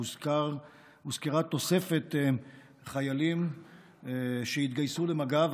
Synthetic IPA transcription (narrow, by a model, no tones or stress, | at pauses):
ukaʁ | muz̥keʁat̪o̞se̞fe̞t̪ | χajalim | ʃeit̪ɡajsulemaɡav